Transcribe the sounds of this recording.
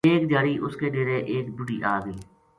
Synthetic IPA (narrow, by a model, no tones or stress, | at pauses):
eːkd̪jaːɾiːʔʊskeːneːɾeʔeːkbʊɖiːʔaːɡəiː